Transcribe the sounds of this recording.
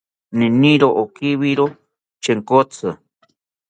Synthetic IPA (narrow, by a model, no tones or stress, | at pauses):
nĩnĩɾoʔokiβiɾo | t͡ʃeŋkot͡sʰɨ